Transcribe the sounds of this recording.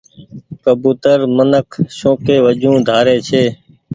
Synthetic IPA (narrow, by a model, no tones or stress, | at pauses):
kəbuːt̪əɾmənəkʰʃõːkeːʋəd͡ʒũːd̪ʱaːɾeːt͡ʃʰeː